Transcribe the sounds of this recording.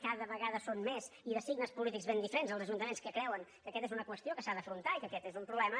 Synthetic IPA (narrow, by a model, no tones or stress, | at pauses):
kaðəβəɣaðəsonmeziðəsiɡnəspulit̪ikɡzβend̪ifəɾenzəlˠzəʒunt̪əmenskəkɾɛwəŋkəkɛt̪ezunəkwəst̪iokəsaðəfɾunt̪aikəkɛt̪ezumpɾuβlɛmə